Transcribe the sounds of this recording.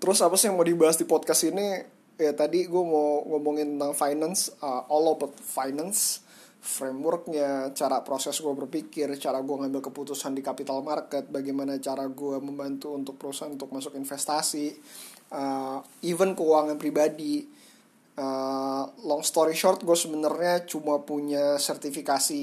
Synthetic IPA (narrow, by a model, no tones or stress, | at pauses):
t̪əɾʊsapasɪjaŋmawdibaɦasdipɔd̪̚kasini | jat̪adiɡuamawŋɔmuŋɪnt̪ənt̪aŋfajnansəɔlɔbɔt̪̚fajnans | fɾemwərk̚ɲat͡ʃaɾapɾosɛsɡuabərpikɪrt͡ʃaɾaɡuaŋambɪlkəput̪usandikapit̪almarkət̪̚baɡajmanat͡ʃaɾaɡuaməmbant̪uːnt̪ʊk̚pəɾusaɦanunt̪ʊk̚masʊkinfɛst̪asi | əivənkəuwaŋanpɾibadi | ə | lɔŋst̪oɾiʃɔrt̪̚ɡuasəbənərɲat͡ʃumapuɲasɛrt̪ifikasi